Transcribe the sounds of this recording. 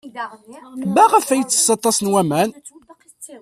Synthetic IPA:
bæʁəfæjət͡sːə̥sɑt̪ˤːɑsnwæmæn

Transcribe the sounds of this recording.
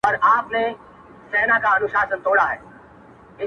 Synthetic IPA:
ɔɾaːpne | sɛːnakaɐnʊʃaːsənt̪oːɽaɦɛ̰ː | ɪ

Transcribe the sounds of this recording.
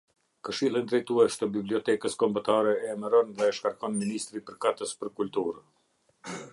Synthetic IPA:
kəʃilˠind̪ɾɛjt̪uɛʃt̪əbibliɔt̪ɛkəskɔmbət̪aɾɛɛːməɾɔnðɛʃkaɾkɔnminist̪ɾipəɾkat̪əspəɾkult̪uɾə

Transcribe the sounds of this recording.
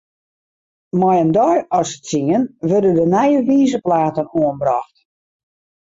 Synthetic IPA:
mɔjəndɔjɔsə̥tsiŋənʋørdədənɛjəʋiːzəplaːtənoənbrɔxt

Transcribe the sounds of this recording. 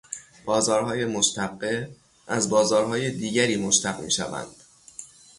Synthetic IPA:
b̥ɒːzɒːɾhɒːje̞moʃt̪ʰæɡːe | ʔæzbɒːzɒːɾɦɒːjed̪iːɟæɾiːmoʃt̪ʰæɡmḭːʃæ̰væ̰nd̪̥

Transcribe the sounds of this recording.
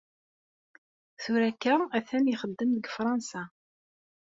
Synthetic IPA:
θʊɾækːəæθæniχəd̪ːəmðəɡfɾˤɑnsa

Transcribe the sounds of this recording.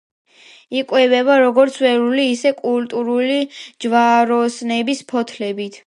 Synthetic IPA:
ikʼwɛvɛbaɾɔɡɔɾt̪sʰwɛɾuliːsɛkʼult̪ʼuɾulid͡ʒvaɾɔsnɛbispʰɔt̪ʰlɛbit̪ʰ

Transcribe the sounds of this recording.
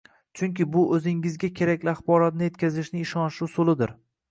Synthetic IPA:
t͡ʃʰʊŋkʲɪbʊʔɵzɪŋɪzɡʲakʲʰe̞ɾakʲlɪaχbɒɾat̪nɪje̞t̪̚kʲʰazɪʃnɪːʃɒnʃusolˠɪd̪ɪɾ

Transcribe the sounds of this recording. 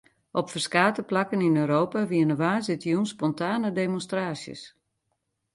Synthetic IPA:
ʔɔpfərskaːtəplakəninøːɾoːpaʋiənəʋaːzɪtjunspɔntʰaːnədemonstraːsjə̰s

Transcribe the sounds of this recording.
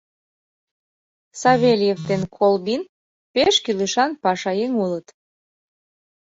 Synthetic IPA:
sɑβelʲjevt̪enkʰolbin | peʃkiləʃɑnpɑʃɑjeŋulət̪

